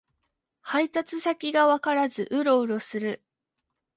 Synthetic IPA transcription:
hait̪at͡sɨsakʲiɡaβakaɾazɨʔɯ̟ɾo̞ɯ̟ɾo̞sɨɾɯ̟

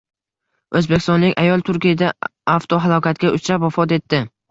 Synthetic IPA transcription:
ɵzbekʲɪst̪ɒnlɪkʲajɒlˠt̪ʰʊɾkʲijad̪aaft̪ʰoɦalˠɒkʲʰat̪̚ɡʲaʊt͡ʃʰɾapwafɒt̪e̞t̪ʰːɪ

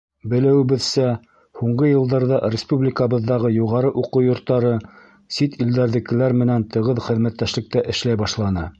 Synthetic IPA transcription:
bɘ̆læwɘ̆βɘ̆ðsæ | huɴɢɤjɤ̆lˠd̪ɑɾðɑɾʲɪspublʲɪkəβɤ̆ðːɑʁɤjuʁɑɾɤʔuqɤwjŏɾt̪ːɑɾɤ | sit̪ild̪æɾðɘ̆kːɘ̆læɾmɘ̆nænt̪ɤ̆ʁɤðχɘ̆ðmæt̪ːæʃlɘ̆k̚t̪æʔɘ̆ʃlæjbɑʃlˠɑnɤ

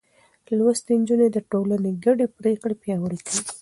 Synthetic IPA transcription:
lwast̪end͡ʒuned̪əʈolaneɡaɖepɾekɽepjɑwəɽekəwi

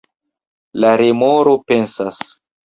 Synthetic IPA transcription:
laɾemoɾo̞pe̞nsas

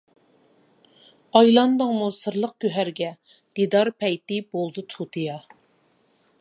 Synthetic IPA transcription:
ɑjlˠɑnd̪ɨŋmusɨɾlˠəq̚kʲøɦæɾɡʲɛ | d̪̥id̪ɑɾpʰɛjt̪ɪbolˠd̪ɨt̪ʰut̪ʰɨjɑ

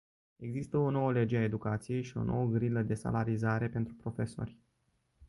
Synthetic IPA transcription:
e̞ɡzist̪əo̞no̞wəle̞d͡ʒeae̞d̪ukat̪sije̞jʃio̞̰nʔo̞̰wəɡɾiləd̪e̞sa̰laɾizaɾe̞pent̪ɾupɾo̞fe̞so̞̰rʲ

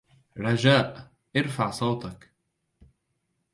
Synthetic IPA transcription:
ɾˤɑd͡ʒaːʔ | ʔɑɾfaʕsˤɑwt̪ɑk

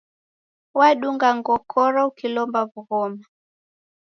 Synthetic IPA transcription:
waɗuŋɡaŋɡɔkʰɔɾɔukilɔmbavuɣɔma

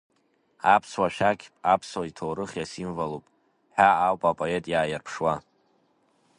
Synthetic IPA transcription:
apʰswaʃᶣakʲʰpʼapʰswaitʰowɾɨχʲjasimvalowpʼ | ħaːwpʼapʼoe̞tʼjaːjarpʰʂwa

